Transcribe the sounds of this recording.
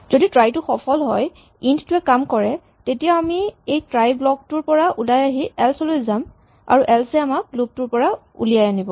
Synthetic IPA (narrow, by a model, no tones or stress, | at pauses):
zoditɹajtʊxɔpʰɔlɦɔj | inttʊɛkamkɔɹɛ | tetijaamiejtɹajblɔk̚tʊɹpɔɹaʔulajaɦiɛlsɔlojzam | a̰ɹuʔɛlsɛamak̚lup̚tʊɹpɔɹa | ṵlijajanibɔ